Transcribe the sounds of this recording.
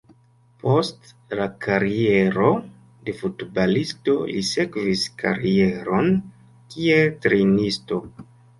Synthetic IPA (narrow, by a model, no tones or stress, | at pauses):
po̞st | lakaɾie̞ɾo̞ | de̞futbalisto̞lise̞kviskʰa̰ɾie̞ɾo̞n | kieltɾenisto̞